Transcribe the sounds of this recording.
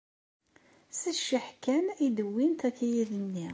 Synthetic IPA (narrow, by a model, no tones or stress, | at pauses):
sæʃːiħkænid̪əwːint̪ækæjæðənːi